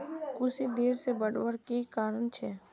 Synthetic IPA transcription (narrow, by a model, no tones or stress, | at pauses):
kʊsid̪eːɾsebəɽwəɾkikaːɾənt͡ʃʰɛː